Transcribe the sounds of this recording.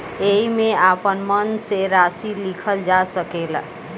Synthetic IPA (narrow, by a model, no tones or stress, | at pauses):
eɦimeapənmənseɾasilikʰəld͡ʒasəkel